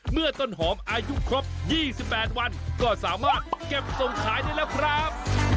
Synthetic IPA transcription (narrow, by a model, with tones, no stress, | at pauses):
mɯ˥˩ɐt̪o˥˩nɦɔː˩˦˥mʔaː˧ju˦˥kʰɾo˦˥p̚jiː˥˩si˨˩pːɛː˨˩t̪̚wa˧nkɔː˥˩saː˩˦maː˥˩t̪̚ke˨˩p̚so˨˩ŋkʰaː˦˥jdaː˥˩jlɛː˦˥wkʰɾa˦˥p̚